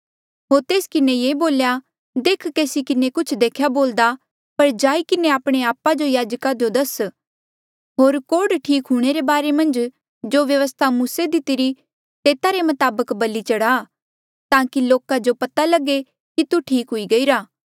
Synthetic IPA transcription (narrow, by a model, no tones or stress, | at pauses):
ɦoːɾt̪eːskɪnejeːboːlja | d̪eːkʰkeːsikɪnekʊt͡ʃʰd̪eːkʰjaboːld̪a | pɐɾd͡ʒaːikɪneaːpɽ̃eaːpːad͡ʒojaːd͡ʒkad͡ʒod̪ɐs | ɦoːɾkoːɖʈʰiːkɦuɽ̃eɾebaːɾemɐ̃nd͡ʒ | d͡ʒoʋjɐʋəst̪ʰamuːsed̪ɪt̪ɪɾi | t̪eːt̪aɾemɐt̪aːbəkbɐlːit͡ʃɐɽaː | t̪ãːkiloːkad͡ʒopɐt̪alɐɡe | kit̪uʈʰiːkɦʊiɡɐiːɾaː